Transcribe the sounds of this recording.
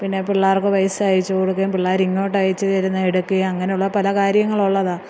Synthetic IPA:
pinːe̞piɭːaːrkɨʋɐjsajit͡ɕːɨkoɽuk̬ːɐjumpiɭːaːɾiŋːoːʈːajit͡ɕːɨt̪ɐɾunːɐeɽukːɨjɐŋːɐne̞juɭːɐpɐlɐkaːɾjɐŋːɐɭuɭːɐðaː

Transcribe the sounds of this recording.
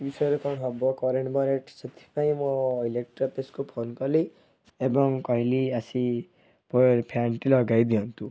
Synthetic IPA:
bisɔjɾukɔɽ̃ɦɔbɔkɔɾeɳʈbɔɾeʈset̪ʰi̥paĩmɔilek̚ʈɾɔpeskupʰonkɔli | ebɔŋkɔɦiliasi | pɔɾpʰjaɳʈilɔɡajd̪iɦɔnt̪u

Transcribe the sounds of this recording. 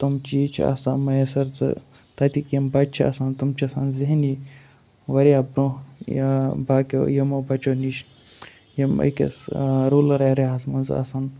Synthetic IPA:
t̪umt͡ʃit͡ʃʰa̰samɐjesɐɾt̪ɨ̰ | t̪ɐt̪ikjɐmbɐt͡ʃʰiɐ̰saːnt̪umt͡ʃʰɐsaːnzeɦni | ʋɐɾijabɾõ | baːkʲo̰jɐmobɐt͡ʃoniʃ | jemɐ̰kḛsɾuːlɐɾɐɾeɦasmɐnzɐ̰saːn

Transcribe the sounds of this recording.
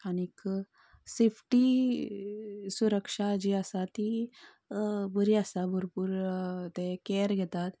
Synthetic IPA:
anik | sepʰʈi | suɾəkʂad͡ʒiasat̪i | bəɾiasabʱuɾpuɾt̪ekeɾɡʱet̪at̪

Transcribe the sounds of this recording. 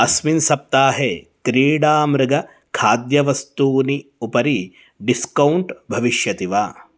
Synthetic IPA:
ɐsminsɐp̚t̪aːɦe | kɾiːɽaːmɾɨɡɐ | kʰaːd̪jɐʋɐst̪uːniupɐɾi | ɖiskɐwɳʈbʱɐʋiʃjɐt̪iʋaː

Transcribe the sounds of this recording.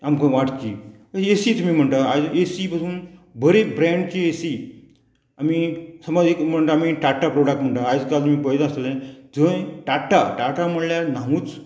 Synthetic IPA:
amkə̃ʋaʈkḭ | esiːt̪umiːm̤əɳt̪aajd͡zesipasuːnbʱəɾebɾɛ̃ɳɖkiesi | amisəmad͡zekm̤əɳt̪aamiʈaʈapɾoɽak̚ʈm̤əɳt̪aajd͡zkalt̪umiːpəjd̪əslẽd͡zəjʈaʈaʈaʈaməɽljan̤aɦũːt͡s

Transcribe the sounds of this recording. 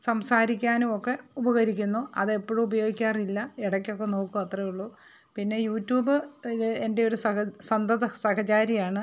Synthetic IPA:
sɐmsaːɾikʲːaːnumokːe̞ubɐɣɐɾikʲːunːuʔɐðepːoːɻumubɐjo̞ːɡikʲːaːrilːɐiɽɐkʲːo̞kːe̞no̞ːkːumɐt̪rɐjuɭːu | pinːe̞juːtːjuːbɨlende̞joɾusɐsɐnd̪ɐðɐsɐhɐt͡ɕaːɾijaːɳɨ

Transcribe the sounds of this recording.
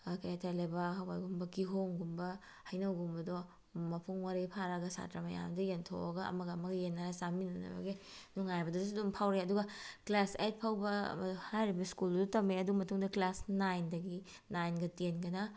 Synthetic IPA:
kɐjatʰalebɐɦawa̰jɡumbɐkiɦoŋɡumbɐ | hɐjnɐwɡumbɐdo | mɐpʰuŋwaɾipʰaɾaɡɐsa̰tɾamɐja̰mdɐjentʰo̰ɐɡɐɐ̰mɐɡɐːmɐɡijenːaɾasaminɐnɐ̰bɐ̰ɡenuŋajbɐdɐdus̬idumpʰawɾeɐduɡɐklaset̚pʰawbɐ̰mɐhajɾibɐskulddutɐmeɐdumɐtuŋdɐklasnajndɐɡi | najnɡɐtenɡɐnɐ

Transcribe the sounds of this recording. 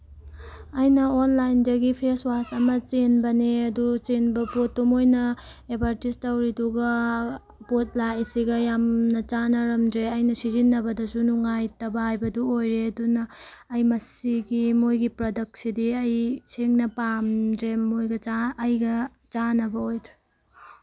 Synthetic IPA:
ɐjnɐonlajndɐɡipʰeswasɐmɐt͡ʃenbɐniɐdut͡ʃenbɐpot̚ːumojnɐ | ebʱaɾtistɐwɾiduɡɐ | pot̚laisiɡɐjamnɐt͡ʃanɐɾɐmdɾeɐjnɐsizinːɐbɐdɐsunuŋajtɐbɐhajbɐduojɾeɐdunɐː | jmɐsiɡimojɡipɾodɐk̚tsidiɐjseŋnɐpamdɾemojɡɐt͡ʃaːjɡɐ | t͡ʃanɐbɐojdɾe

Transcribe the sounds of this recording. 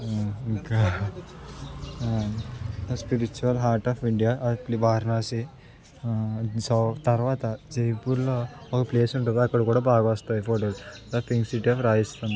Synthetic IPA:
kɐ | spiɾit͡ʃuɐlɦaːɾʈaːfiɳɖijaːplibʱaːɾnaːsi | sɐt̪ɐɾʋaːt̪ɐd͡ʒejpuɾloɔkɐpleːsuɳʈund̪iɐkːɐɽɐkuːɽaːbaːɡɐʋɐst̪aːjupʰoːʈold̪ɐpʰiŋɡsiʈiaːfɾaːjist̪ɐnd̪

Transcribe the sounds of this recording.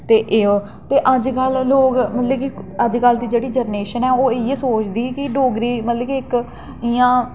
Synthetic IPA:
t̪eːʔeːo | t̪eːʔəd͡ʒkəlːoːkmət̪ləkiəd͡ʒkəld̪iːd͡ʒeːɽiːd͡ʒəɾneːʃənɛːoːɪeːsoːt͡ʃd̪iːkɪɖoːɡɾiːmət̪ləkiɪk | ɪãː

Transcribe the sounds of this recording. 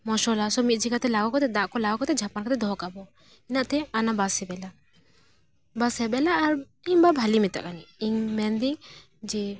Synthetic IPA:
mɔʃɔlasɔmit̪̚ˀd͡ʒikat̪ɛlaɡɔkɔt̪ɛd̪aʔkɔlaɡɔkɔt̪ɛd͡ʒʱapankʰat̪ɛd̪ɔɦɔkabɔ | inaʔt̪ɛanabasɛbɛla | basɛbɛlaːɾ | iɲbabʱalimit̪a̰ʔkaniːŋmɛnd̪i | d͡ʒɛ

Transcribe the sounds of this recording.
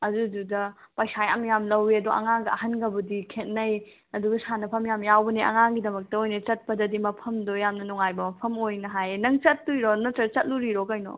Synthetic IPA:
ɐdududɐpajsajamjamlɐwiɐduʔɐ̰ŋaŋɡɐɐɦɐnɡɐbɐdikʰet̚nɐj | ɐduɡɐsanɐpʰɐmjamjawbɐniʔɐ̰ŋaŋɡidɐmɐk̚tɐojnɐt͡ʃɐt̚pɐdɐdimɐpʰɐmdojamnɐnɔŋajbɐmɐpʰɐmojnɐɦajnɐŋt͡ʃɐt̚ːujɾonɐtɐt͡ʃɐt̚luɾiɾokɐjno̰

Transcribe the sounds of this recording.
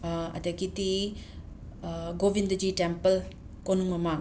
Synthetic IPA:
ɐ̰dɐɡiti | ɡobindɐd͡ʒitempɐl | konuŋmɐmaŋ

